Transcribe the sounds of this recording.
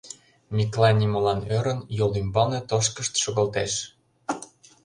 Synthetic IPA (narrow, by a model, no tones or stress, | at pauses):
mʲiklɑnʲimɤlɑnøɾə̆njolimbɑnĕt̪oʃkə̆ʃt̪ʃoɣə̆lt̪eʃ